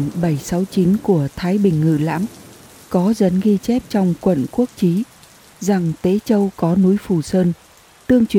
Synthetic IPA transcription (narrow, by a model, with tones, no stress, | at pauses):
nɓə˧˩jsa˨˦wt͡ɕi˨˦nku˧˩ət̪ʰaː˨˦jɓï˨˩ŋ̟ŋɨ̰˧˩la̰ː˧˥m | kɔ˨˦zə̰˨˥nɣi˧t͡ɕɛ˦˥p̚t͡ɕɔ˧wŋ͡mkwə̰˧˨nku˦˥ək̚t͡ɕi˨˦ | za˨˩ŋt̪e˨˦t͡ɕə˧wkɔ˨˦nu˨˦jfu˧˩səː˧n | t̪ɨ˧əŋt͡ɕwi˧˨